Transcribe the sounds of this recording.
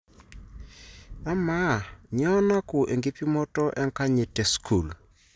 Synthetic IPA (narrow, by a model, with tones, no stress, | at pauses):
a˦ma˦˨ɲɔ˦na˦kʊ˨ʔe˨ŋɡi˦pi˦mɔ˦tɔ˦ʔɛ˦ŋka˦ɲe˨tɛ˨skʰu˨l